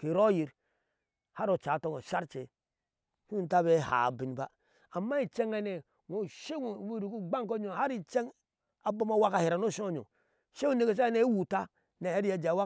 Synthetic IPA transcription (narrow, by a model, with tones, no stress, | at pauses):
ki˨ɾo˦ji˨ɾ | ha˦ɾo˨t͡ʃa˨to˦ŋo˨ʃa˦ɾt͡ʃe˨ | hu˦n˦ta˦βe˦ha̰˨bi˨n˨ba˦ | a˨mːa˦i˨t͡ʃe˦ŋa˦ne˨ | ŋo˨ʃe˦ŋ˨wu˦ɾi˨ku˦ɡ͡ba˦ŋ˦ko˦ɲo˨ha˦ɾi˨t͡ʃe˦ŋ | a˨bo˦ma˦wa˦ka˨hi˨ɾa˨no˦˨ʃo˦˨ɲo̰˨ | ʃe˦u˦ne˨ke˨s̬a˦ne˦wu˨ta˦ | ne˨he˦ɾja˦d͡ʒa˨wa˦